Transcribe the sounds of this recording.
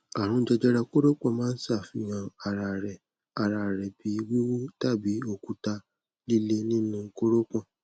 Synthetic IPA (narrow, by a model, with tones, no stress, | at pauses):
a˨ɾ̃ũ˦d͡ʒɛ˧d͡ʒɛ˦ɾɛ˧ko˦ɾo˦k͡pɔ̃˧˨mãː˦n̩˦si˦a˦˨fĩ˧˦jã˧˨a˨ɾa˨ɾɛ˨ | a˨ɾa˧˨ɾɛ˨bi˨˦wi˦wu˦ta˦˨bi˨˦o˧˨ku˨˦ta˧ | li˦le˦nĩ˦nũ˧ŋ̩˦ko˦ɾo˦k͡pɔ̃˦˨